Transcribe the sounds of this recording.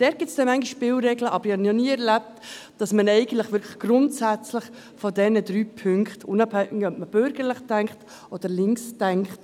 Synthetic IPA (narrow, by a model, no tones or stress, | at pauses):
d̥ɛːɾtɡ̥ɪtt͡sd̥ɛmæŋɡiʃːpɪwɾɛɡləʔɑbəɾɪhɑnnɔniːɛɾlæp̚td̥ɑsmənɛɪɡən̩tləχʋʏɾkʰlə̥χɡ̥ɾʊntsæt͡slɪχ | fɔdɛnədɾyːpʰʏŋkχtʊnɑphɛŋɪœpməb̥øɾɡ̥əɾləχtæŋkχt | ʔɔd̥əɾlɪŋkstæŋkχt